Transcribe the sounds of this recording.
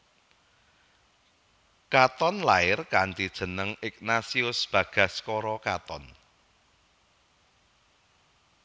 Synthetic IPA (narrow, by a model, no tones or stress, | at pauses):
kat̪ɔnlaɪrkant̪id̥ʒ̥ə̤nəŋɪk̚nasiʊsb̥ä̤ɡ̥ä̤skɔɾɔkat̪ɔn